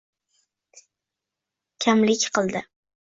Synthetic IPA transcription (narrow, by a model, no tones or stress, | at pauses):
kʲʰamlɪkʲqʰɨlˠd̪ɪ